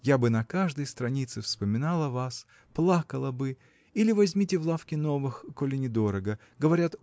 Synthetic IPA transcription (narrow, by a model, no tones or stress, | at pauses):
jabɨnɐkaʐd̪əjst̪ɾɐnʲit̪sɨfspəmʲɪnalˠəvas | plˠakəlˠəbɨ | ilʲɪvɐzʲmʲitʲɪvlˠafkʲɪno̞vɨxkolʲɪnʲɪd̪o̞ɾəɡə | ɡəvɐɾʲat̪